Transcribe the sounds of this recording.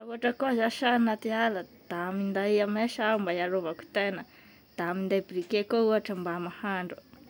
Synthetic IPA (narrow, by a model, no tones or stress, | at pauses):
auaʈ͡ʂəkuazaʃanat̪ialəd̪̥amind̪aameʃaumbajaɾovaku̥t̪enə | d̪̥aamind̪ajbɾikekouaʈ͡ʂəmbamahaɳɖ͡ʐu